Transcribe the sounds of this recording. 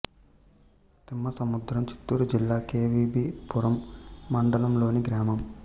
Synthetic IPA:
t̪imːɐsɐmud̪ɾɐmt͡ʃi̥t̪ːuːɾud͡ʒilːaːkeːʋiːbiːpuɾɐmːɐɳɖɐlɐmlo̞ːniɡɾaːmɐm

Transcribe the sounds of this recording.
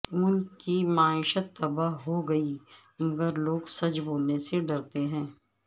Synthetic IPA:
ʊnkimaːɪʃət̪ːɐbaɦɦoɡɐi | mɐɡəɾloːɡsɐt͡ʃboːlneseɖɐɾt̪eɦɛ̃ː

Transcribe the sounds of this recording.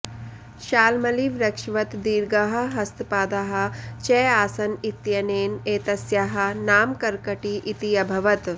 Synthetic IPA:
ʃaːlmɐliːʋɾɐkʂʋɐt̪d̪iːɾɡaɦɐ̆ɦɐst̪paːd̪aɦɐ̆t͡ʃɛːaːsɐnit̪jɐneːneːt̪ɐsjaɦɐ̆naːmkɐɾkɐʈiʔit̪ijɐbʱɐʋɐt̪

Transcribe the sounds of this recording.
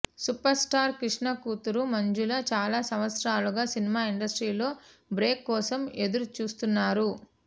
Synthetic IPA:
supɐɾsʈaːɾkɾiʂɳɐkuːt̪uɾumɐɲd͡ʒulɐt͡ʃaːlaːsɐmʋɐt̪sɾaːluɡaːsinimaːiɳɖɐsʈɾiːlo̞ːbɾe̞ːkːɔːsɐme̞d̪uɾut͡ʃuːst̪unːaːɾu

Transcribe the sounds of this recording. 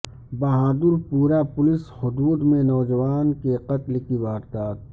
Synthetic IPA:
bɐɦaːd̪ʊɾpuːɾapʊlɪshʊd̪uːd̪mẽnɔːd͡ʒɐʋaːnkeqɐt̪lkiʋaːɾt̪aːt̪̚

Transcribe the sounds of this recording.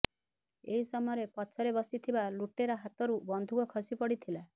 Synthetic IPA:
ḛɦisɔmɔɔɾepɔt͡ʃʰɔɾebɔsit̪ʰibaluʈeɾɔɦat̪ɔɾubɔnd̪ʱukɔkʰɔsipɔɽit̪ʰila

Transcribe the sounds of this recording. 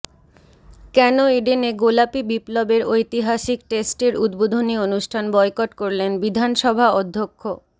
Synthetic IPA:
kɛnoeɖeneɡolapibiplobeɾojt̪iɦaʃik̚ʈesʈeɾud̪bod̪ʱonionuʃʈʰanbɔekoʈkoɾlenbid̪ʱanʃɔbʱaɔd̪ʱːokʰːo

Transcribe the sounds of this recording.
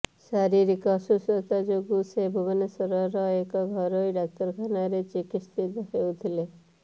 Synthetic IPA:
saɾiɾikɔsusɔt̪ad͡ʒoɡusebʱubɔnesɔɾɔɾɔekɔɡʱɔɾoiɖak̚t̪ɔɾkʰanaɾet͡ʃikist̪ʰit̪ɦewt̪ʰile

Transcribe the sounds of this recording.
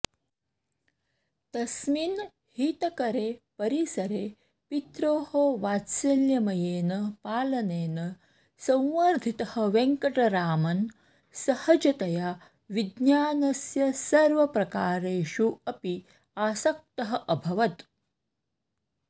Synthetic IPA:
t̪ɐsmin | hiːt̪ɐkɐɾeːpɐɾisɐɾeː | pit̪ɾoːhoʋaːt̪sɐljɐmɐjeːnɐpaːlɐneːnɐ | sɐ̃w̃ʋɐɾd̪ʱit̪ɐhɐ̆ʋeŋkɐʈɐɾaːmɐn | sɐhɐd͡ʒɐt̪ɐjaː | ʋid̪njaːnɐsjɐsɐɾʋɐpɾɐkaːɾeːʃuɐpi | aːsɐk̚t̪ɐɦɐ̆ʔɐbʱɐʋɐt̪

